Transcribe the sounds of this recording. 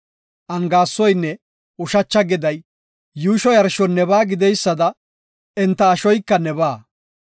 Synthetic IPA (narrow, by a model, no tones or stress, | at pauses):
ʔɐŋɡaːsːɔjnːɛ | ʊʃɐt͡ʃːɐɡɪd̪ɐjː | uːʃɔjɐɾʃɔnːɛbaːɡɪd̪ɛjsːɐd̪ɐ | ɛnt̪ːɐːʃɔjkːɐnɛβaː